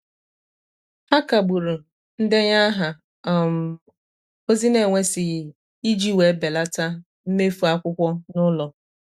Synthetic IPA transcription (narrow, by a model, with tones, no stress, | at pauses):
ha˦ka˨ɡ͡bu˨ɾu˨ | n̩˦de˦ɲa˦ɦa˨ | m˨ | o˦zi˦ne˨ŋʷe˦sɪ˨ | i˦d͡ʒi˦we˨˦be˨la˦ta˦ | m̩˦me˦fu˨a˦kʷʊ˦kʷɔ˦nʊ˦lɔ˨